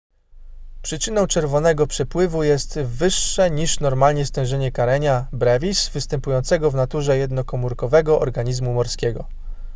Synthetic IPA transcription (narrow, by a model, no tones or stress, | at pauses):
pʂɘt͡ʂɘnɔ̃w̃t͡ʂɛɾvɔnɛɡɔpʂɛpwɘvujɛst̪vɘʂːɛɲiʂnɔɾmalɲɛst̪ɛ̃w̃ʐɛɲɛkaɾɛɲabɾɛvʲisvɘst̪ɛmpujɔnt̪sɛɡɔvnat̪uʐɛjɛd̪nɔkɔmuɾkɔvɛɡɔʔɔ̰ɾɡaɲizmumɔɾskʲɛɡɔ